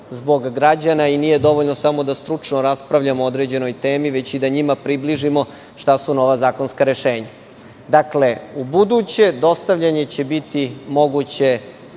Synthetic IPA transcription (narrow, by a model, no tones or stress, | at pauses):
zbo̞ɡːɾad͡ʑanainiːje̞d̪o̞ʋoʎnosamo̞d̪ast̪ɾut͡ʂnoɾaspɾaʋʎamood̪ɾe̞ːd͡ʑe̞no̞jt̪e̞ːmiʋe̞t͡ɕid̪aɲimapɾibliʒimo̞ | ʃt̪asuno̞ʋazaːko̞nskaɾe̞ʃe̞ːɲa | d̪akle̞ubud̪ut͡ɕe̞d̪o̞st̪aʋʎaɲe̞t͡ɕe̞bit̪imo̞ɡut͡ɕe̞